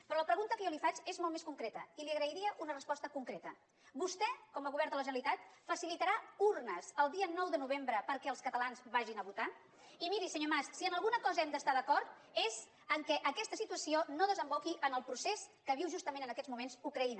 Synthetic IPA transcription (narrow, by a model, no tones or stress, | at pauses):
pɾɔləpɾəɣunt̪əkəjɔlifat͡ʃezmɔlˠmeskuŋkɾɛt̪əiliəɣɾəiɾiəʔunərəspɔst̪əkuŋkɾet̪ə | bust̪ɛkɔmaɣuβɛɾt̪ələʒənəlit̪at̪fəsilit̪əɾauɾnəzəlˠd̪iənɔwðənuβ̞embɾəpəɾkɛəlˠskət̪əlanzβaʒinəβut̪a | imiɾisəɲomassiənəlˠɣunəkɔzəɛmd̪əst̪aðəkɔɾt̪̚ | ez | əŋkɛʔəkɛst̪əsit̪uəsionoðəzəmbokiʔənəlˠpɾuseskəβiwʒust̪əmẽnənəkɛd͡zmumenzukɾəinə